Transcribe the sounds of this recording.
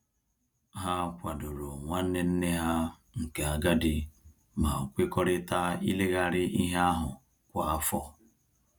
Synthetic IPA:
ɦa˦kʷa˨do˨ɾo˨ŋʷa˦n̩˦ne˦n̩˦ne˦ɦa˦ | ŋ̩˨ke˨a˨ɡa˦dɪ˦ | ma˨kʷe˦kɔ˦ɾɪ˦ta˦i˦le˦ɣa˦ɾɪ˦ʔi˦ɦa˦a˦ɦʊ˨ | kʷa˨a˦fɔ˦

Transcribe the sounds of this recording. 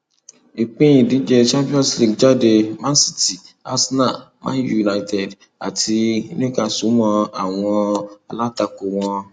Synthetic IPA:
i˨k͡pĩ˦jĩ˨di˨˦d͡ʒɛ˧t͡ʃã˦mpi˦ɔ̃˦sli˦˧ɡd͡ʒa˦˨de˧mã˦si̥˦˨ti˨a˦sna˦˨mã̰ː˦ju˨na˧i˧tɛ˨d | a̰˨ti˧nĩ˦ka˧su˨˦mɔ̃˧a˦˨w̃ɔ̃˧a˧la˦ta˧˨ko˧˨w̃ɔ̃˧

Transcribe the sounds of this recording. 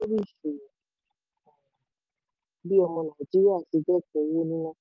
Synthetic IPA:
o˦ɾi˦˨ʃẽ˨ | bi˦ɔ˧mɔ̃˧nã˨d͡ʒi˨˦ɾa˦˨ti˧d͡ʒɛ˦˨kɛ˧˨˦wo˦nĩ˦nã˦

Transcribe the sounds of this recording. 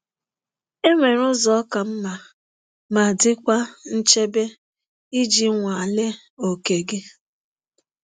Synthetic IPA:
e˦ŋʷe˨ɾʊ˦zɔ˦ɔ˦ka˨m̩˦ma˨ | ma˨dɪ˦kʷa˦n̩˦t͡ʃe˦be˦ | i˦d͡ʒi˦ŋʷa˨a˨le˦ | o˨ke˨ɡe˦

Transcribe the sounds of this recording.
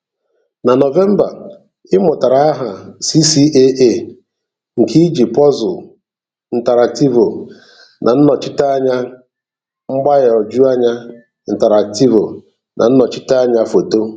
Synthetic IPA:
na˨nɔ˨ve˦m̩˦ba˨ | ɪ˦mʊ˨ta˨ɾa˨a˦ɦa˨si˦si˦ʔe˦ʔe˦˨ | ŋ̩˨ki˦d͡ʒi˨pɔ˦zʊ˨ | n̩˨ta˨ɾa˨k̚ti˦vo˨ | nʔa˨n̩˦nɔ˨t͡ʃɪ˦ta˦a˦ɲa˦ | ŋ͡m̩˦ɡ͡ba˦ɣɔ˨d͡ʒu˦a˦ɲa˦ | n̩˨te˨ɾa˨k̚ti˦vo˨ | nʔa̰˨n̩˦nɔ˨t͡ʃɪ˦ta˦a˦ɲa˦fo˨to˦

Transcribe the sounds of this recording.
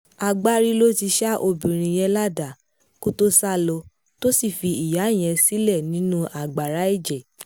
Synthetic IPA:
a˨ɡ͡ba˦ɾi˦lo˦ti˧ʃa˦ʔo˧bĩ˨ɾ̃ĩ˨j̃ɛ̃˧la˦da˨ | ko˦to˦sa˦lɔ˧ | to˦si˦˨fi˧i˨ja˨˦˨j̃ɛ̃˧si˦lɛ˦˨nĩ˨˦nũ˦ʔa˨ɡ͡ba˨ɾa˨˦i˦˨d͡ʒɛ˨

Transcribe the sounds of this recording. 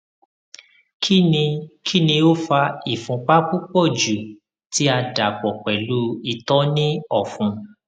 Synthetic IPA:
ki˦i˧kʰi˦˨nĩ˧o˦fa˧i˨fũ˧k͡pa˦ku˦k͡pɔ˦˨d͡ʒu˨ | ti˨˦a˧da˨k͡pɔ˨k͡pɛ˨lu˦i˨tɔ˦nĩ˦ɔ˨fũ˧

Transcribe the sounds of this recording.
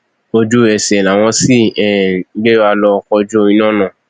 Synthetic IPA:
o˧d͡ʒu˦ɛ˨sɛ˨la˨w̃ɔ̃˧si˦˨ɛ˨˦ɡ͡be˦a˧lɔ˧kɔ˧d͡ʒu˦o˧ĩ˧nãː˦˨nã˦˨

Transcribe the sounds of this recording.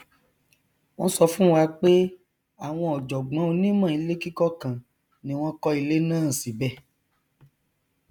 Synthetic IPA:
w̃ɔ̃˧˦sɔ˧fũ˦wa˧k͡pe˦ | a˦˨w̃ɔ̃˧ɔ˨d͡ʒɔ˨ɡ͡bã˨˦o˧˦nĩ˦mã˦˨i˨˧˦le˦ki˦kɔ˦kã˨ | nĩ˧˦w̃ɔ̃˦kɔ˧i˧le˦nãː˦˨si˨bɛ˦˨

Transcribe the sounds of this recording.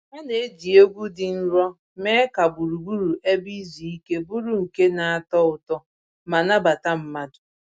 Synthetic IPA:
ŋa˦ne˨e˦d͡ʒi˨o˦ɡʷu˦dɪ˨n̩˦ɾɔ˦ | me˦ka˨bu˨ɾu˨bu˦ɾu˨ʔe˦bi˦zi˨i˦ke˦bu˦ɾu˦ŋ̩˨ke˦na˨a˦˨tɔ˦ʊ˨tɔ˦ | ma˨na˦ba˨ta˦m̩˨ma˦dʊ̥˨

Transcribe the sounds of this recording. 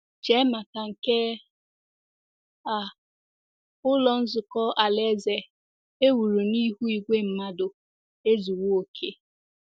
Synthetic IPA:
t͡ʃe˦ma˨ka˨ŋ̩˨ke˦ | a˨ | ʊ˦lɔ˨n̩˦zʊ˨kɔ˦ʔa˨le˦ze˨ | e˦wu˨ɾu˨ni˦ɦu˦i˨ɡʷe˦m̩˨ma˦dʊ˨ | e˦zu˨wo˦o˨kʰe˦

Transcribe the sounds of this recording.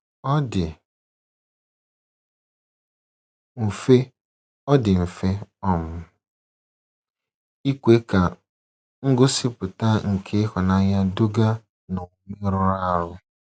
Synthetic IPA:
ɔ˦dɪ˨ | m̩˨fe˦ | ɔ˦dɪ˨m̩˨fe˦ɔ˦mʊ˦ | i˦kʷe˦ka˨ | ŋ̩˦ɡʊ˦sɪ˦pʊ˨ta˦ŋ̩˨kʰe˦hɔ˨na˦ɲa˦do˦ɡa˦ | no˨˦mi˦ɾʊ˦ɾa˦˨ɾʊ˦

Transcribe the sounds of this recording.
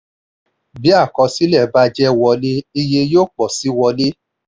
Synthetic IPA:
bi˨˦a˦˨kɔ̃˧si˨˦lɛ˦˨ba˦d͡ʒɛ˦wɔ˧le˦i˧je˧joː˦˨k͡pɔ˨si˨˦wɔ˧le˦

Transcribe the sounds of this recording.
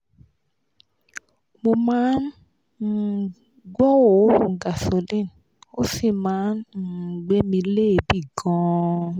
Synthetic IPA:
mo˧mãː˨˦n̩˨ | ɡɔ˦wo˨˦˨ɡa˨so˨lĩ˦˨n | o˦si˦˨mãː˨˦n̩˨ɡ͡be˦mĩ˧le˦˨bi˦˨ɡɔ̃˦˧

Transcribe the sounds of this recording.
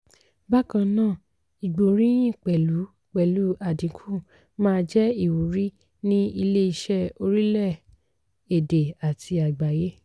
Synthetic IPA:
ba˦kã˧nãː˦˨ | i˨ɡ͡bu˨ɾĩ˦ĩ˦˨k͡pɛ˨lu˨˦ | k͡pɛ˨lu˨˦a˨dĩ˨˦kʰũ˦˨ | mãː˦˧d͡ʒɛ˦i˦˨wu˨ɾi˦ | nĩ˦i˧le˦i˧ʃɛ˦˨o˧ɾi˦lɛ˦˨ | e˨de˨a˨tʰi˧a˨ɡ͡ba˨je˦

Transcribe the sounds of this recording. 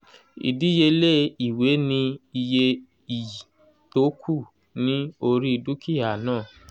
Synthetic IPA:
ḭ˨di˨˦je˧le˦i˨we˨˦nĩ˧i˧je˧ | i˨ | to˨˦kʰu˦˨ | nĩ˦o˧ɾi˦i˧du˦ki˦a˨nãː˦˨

